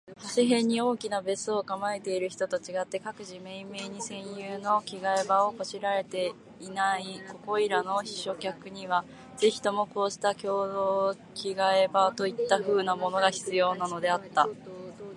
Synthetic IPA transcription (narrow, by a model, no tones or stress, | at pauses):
haɕiɦẽ̞ɲ̟ːio̞ːkʲinabe̞sɨokamae̞t̪e̞iɾɯ̟çi̥t̪o̞t̪ot͡ɕiɡat̪ːe̞kakɯ̟ʑime̞ime̞ːɲ̟isẽ̞ɰ̃jɯːno̞kʲiɡaebao̞ko̞ɕiɾaɾe̞t̪e̞ | inaiko̞ko̞iɾano̞çi̥ɕo̞kʲakɯ̟ɲ̟iβ̞a | d͡ze̞çi̥t̪o̞mo̞ko̞ːɕi̥t̪akʲo̞ːd̪o̞ː | kʲiɡaebat̪o̞it̪ːaɸɯ̟ːnamo̞no̞ɡaçi̥t͡sɨjo̞ːnano̞d̪e̞at̪ːa